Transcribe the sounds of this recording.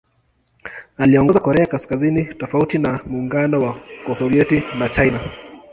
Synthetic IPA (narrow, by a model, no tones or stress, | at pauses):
aliɔŋɡɔzakɔɾɛakaskazinitɔfautinamuːŋɡanɔwakɔsɔviɛtinat͡ʃajna